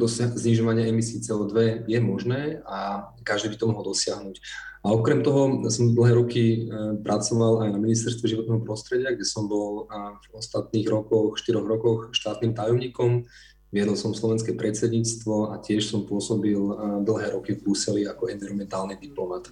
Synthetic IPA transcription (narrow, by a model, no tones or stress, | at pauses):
d̪ɔsazɲiʒɔʋaɲɪaɛmisiːt͡sɛɔːd̪ʋɛjɛmɔʒnɛːa | kaʒd̪ibit̪ɔmɔɦɔld̪ɔsɪaɦnucaɔkɾɛmt̪ɔɦɔsɔmd̪l̩ˠɦɛːɾɔkipɾʔat͡sɔʋalajnaminist̪ɛɾst̪ʋɛʒiʋɔt̪nɛːɦɔpɾɔst̪ɾɛɟɪaɡɟɛsɔmbɔlvɔst̪at̪niːɣɾɔkɔxʃt̪iɾɔɣɾɔkɔxʃt̪aːt̪niːmt̪ajɔmɲiːkɔm | ʋɪɛd̪ɔlˠsɔmslɔʋɛnskɛːpɾɛt͡sɛd̪ɲiːt͡st̪ʋɔacɪɛʃsɔmpʊɔsɔbild̪l̩ɦɛːɾɔkivbɾuːsɛliakɔɛnviɾɔmɛnt̪aːlnid̪iplɔmat̪